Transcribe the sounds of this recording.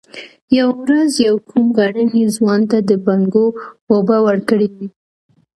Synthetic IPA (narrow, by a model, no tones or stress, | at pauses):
jawawɾazjawkʰumɣaɽənezwɑnt̪ad̪əbaŋɡowobɑwəɾkəɽid̪i